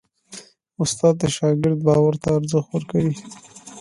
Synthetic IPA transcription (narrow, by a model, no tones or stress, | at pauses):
ʊst̪ɑd̪̚d̪əʃɑɡɪɾd̪̚bɑwaɾt̪aːɾzəxt̪wəɾkawi